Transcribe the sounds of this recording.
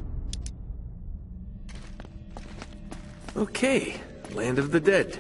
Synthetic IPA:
oʊkʰeɪ | læ̃ndʌvðɨdɛd̥

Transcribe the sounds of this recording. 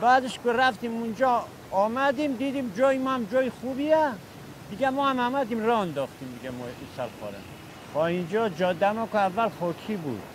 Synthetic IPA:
bæːd̪eʃkoɾæft̪iːmund͡ʒɔː | mæd̪iːmd̪iːd̪iːmd͡ʒɒːjimɔamd͡ʒɒːjixuːbiæ | d̪iɡæmɔːhamæmæd̪iːmɾɔænd̪ɔːxt̪iːmd̪ɪɡæmɔisælxɔ̰ːɾæ̰m | tɔind͡ʒɒːd͡ʒɒːd̪æmɔkoævːælχɔːkʰiːbṵːd̪̥

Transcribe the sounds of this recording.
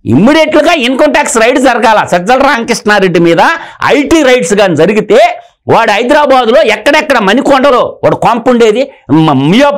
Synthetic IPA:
ḭmːiɽeʈluɡaːiŋkɐɳʈaːksɾɐjʈsd͡ʒɐɾɐɡaːlasɐd͡ʒɐlɾaːŋkiʂʈnaːɾeɖːimiːd̪ɐɐ̰jʈiːɾɐjʈsɡaːnid͡ʒɐɾiɡit̪eː | ʋaːɽuɦɐjd̪ɾaːbaːd̪uloːɛkːɐɽɐɛkːɐɽɐmɐnikɔɳɖɐloːʋaːɽukaːmpuɳɖeːd̪iɐmijoː

